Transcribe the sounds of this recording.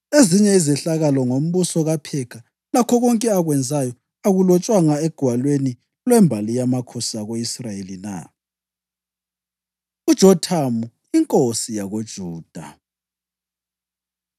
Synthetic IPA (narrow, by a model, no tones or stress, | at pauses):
eziɲɛizɛɬaɣalɔŋom̩βusɔɣapʰɛkʰa | lakʰɔɣɔŋkʼɛaɣwɛnd͡zʱajɔ | aɣulɔt͡ʃʼwaŋaɛɡ̥ʱwalweni | lwɛmbʱalijamakʰɔsaɣoisrajelina̰ | ud̥ʒ̥ʱɔtʰamu | iŋkʼosijaɣod̥ʒ̥ʱuːd̥ʱa̰